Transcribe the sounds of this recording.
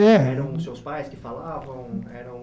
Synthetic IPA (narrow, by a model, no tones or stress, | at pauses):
ɛɛɾɐ̃w̃ʊsewspajskɪfalavɐ̃w̃ɛɾɐ̃w̃